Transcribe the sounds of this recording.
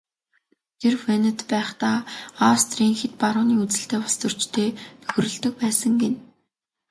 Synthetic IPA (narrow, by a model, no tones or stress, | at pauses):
t̪ʰerfenə̆t̪pæːχt̪aːast̪ʰriːŋxet̪̚paɾʊːniːut͡sɘ̆ɬt̪eːpɔst̪ɵ̆r̥t͡ɕt̪ʰeːt̪ʰɵ̥xɾɵ̆ɮt̪ɵ̆k̚pæːsə̆ŋɡen